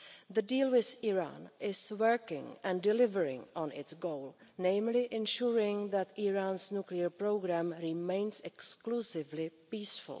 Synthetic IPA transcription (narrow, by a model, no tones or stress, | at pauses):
ðədiːlwɪθiɹã̰ːnʔɪswəɹkɪ̰̃ŋɛ̃ndɪlɪvəɹɪ̰̃ŋɔ̃nɪtsɡowlnẽjmlɪʔɛ̃nʃuɹɪ̃ŋðɛt̪iɹaːnsnukliəɹpɾoɡɾamɾɪmẽjnsɛksklusɪvlɪpiːsfʊ̰l